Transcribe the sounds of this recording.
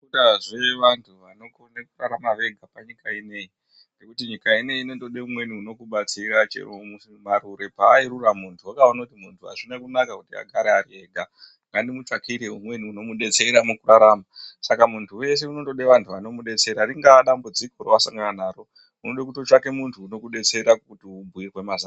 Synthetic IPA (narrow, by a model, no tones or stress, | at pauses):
taʐe̞ʋantʰuʋanokonekuraɾamaʋe̞ɡʱapaɲikaine̞ji | nde̞kutiɲikaine̞jiino̞to̞ɗeumwe̞niuno̞kuɓat͡siɾat͡ʃḛmu | maɾuɾe̞paːiɾuramuntʰuwakaonakutimuntʰuɦa̰ʐinekunakakutia̰ɡʱaɾeaɾie̞ːɡʱa | ŋɡandimut͡ʃakʰiɾeumwe̞niuno̞muɗe̞t͡se̞ɾamukuraɾaːmasakamuntʰuwe̞s̬e̞uno̞to̞ɗeʋantʰuʋano̞muɗe̞t͡se̞ɾariŋɡaɗambud͡zikoroʋasaŋɡananaːɾo̞ | unoɗekutot͡ʃake̞muntʰuːno̞kuɗe̞t͡se̞ɾakutiubʱujerwe̞maza